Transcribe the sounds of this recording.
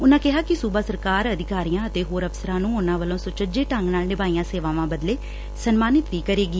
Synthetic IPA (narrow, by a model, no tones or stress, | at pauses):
ʊnãːkɪɦaːkɪsuːbaːsəɾkaːɾəd̪ɪkaːɾijãːət̪eːɦoːɾəpsəɾãːnũːʊnãːʋəlõːsʊt͡ʃəd͡ʒeːʈəŋɡnaːlnɪbaːijãːseːʋãːʋãːbəd̪leː | sənmaːnɪt̪ʋiːkəɾeːɡi